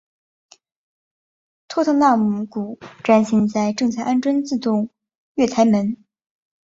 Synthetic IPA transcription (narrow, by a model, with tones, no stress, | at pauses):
t̪ʰwɔ˥t̪ʰɤ˧˥˧ŋna˥˩mu˧˥ku˨˩ʈ͡ʂwa˥nɕi˧˥nt͡sa˥˧ɪʈ͡ʂɤ˥˧ŋt͡sʰa˥˩ɪʔa˥nʈ͡ʂwə˥nt͡sɹ̩˥˧t̪ʊ˥˧ŋ | ɥɛ˥˩t̪ʰa˧˥ɪmə˧˥n